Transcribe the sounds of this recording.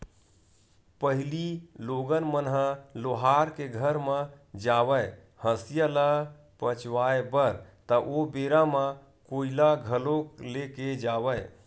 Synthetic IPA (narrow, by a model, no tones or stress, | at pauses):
pəɦliloɡənmənɦəloɦaɾkeɡʱəɾmə̃d͡ʒaʋə | həsijəla | pət͡ʃʋaebəɾt̪əʔobeɾamə̃ | koilaɡʱəlokleked͡ʒaʋəj